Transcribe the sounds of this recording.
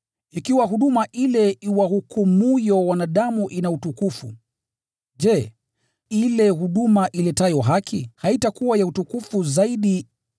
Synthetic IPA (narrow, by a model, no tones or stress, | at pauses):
ikiwaɦuɗumaʔilɛiwahukumujɔwanaɗamuʔinautukufṵ | ʄɛ | ilɛhuɗumaʔilɛtajɔɦakʰihaitakuwajautukufuzaiɗi